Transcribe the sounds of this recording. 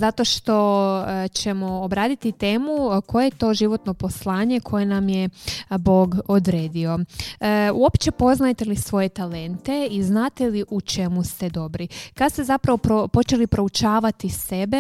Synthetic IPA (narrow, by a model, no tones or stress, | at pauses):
zat̪o̞ʃt̪o̞t͡ɕe̞mo̞ːbɾaːd̪it̪it̪e̞ːmuko̞jeet̪o̞ːʒiʋo̞t̪no̞po̞slˠaːɲe̞kʰo̞je̞namjebo̞ːɡod̪ɾe̞ːd̪io̞ | ṵo̞pt͡ɕe̞po̞znajt̪e̞lisʋo̞je̞t̪ale̞nt̪e̞iznaːt̪e̞liʔut͡ʃe̞must̪e̞d̪o̞bɾikad̪st̪e̞zapɾaʋo̞pɾopo̞t͡ʃe̞lipɾo̞ut͡ʃaːʋat̪ise̞be̞